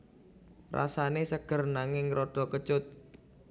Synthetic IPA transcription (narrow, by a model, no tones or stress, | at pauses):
ra̰sanesəɡ̥ə̤rnaŋɪŋɾoɖ̥ɔ̤kət͡ʃʊt̪̚